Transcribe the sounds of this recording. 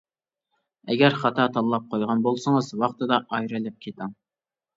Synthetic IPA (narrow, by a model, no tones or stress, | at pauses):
ɛɡʲɛɾχɑt̪ʰɑt̪ʰɑlˠːɑp̚qʰojʁɑnbolˠsəŋəzwɑχt̪ɨd̪ɑʔɑjɾɨlɛp̚kʲʰet̪ʰɑŋ